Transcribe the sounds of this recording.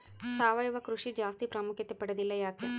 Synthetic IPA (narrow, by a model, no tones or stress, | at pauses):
saːʋɐjuʋɐkɾuʂid͡ʒaːst̪ipɾɐmukʰjɐt̪ːepɐɽɐd̪ilːɐjaːk̪ɐ